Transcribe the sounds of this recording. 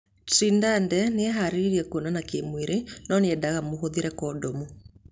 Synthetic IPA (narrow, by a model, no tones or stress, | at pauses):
tindandɛneaɦaɾeɾiɾiɛkonanakemweɾʔenɔneɛdaɣamoɦoðeɾɛkɔːdɔmu